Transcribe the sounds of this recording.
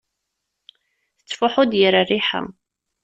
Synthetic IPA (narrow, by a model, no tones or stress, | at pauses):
θə̥t͡sːfʊħʊd̪jəɾariħa̰